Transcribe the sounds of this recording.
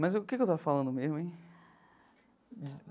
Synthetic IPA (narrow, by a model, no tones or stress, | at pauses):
mɐzkekewt̪avɐfalɐ̃nd̪ʊmezmʊẽj̃